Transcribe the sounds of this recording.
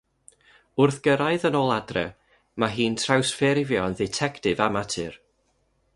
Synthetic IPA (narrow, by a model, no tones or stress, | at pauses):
ʊrθɡ̥əɾaɨðənoːlˠadrɛ̰ | maɦiːntʰrawsfɛɾɪvjɔnðɪtʰɛktɪvamatʰɨr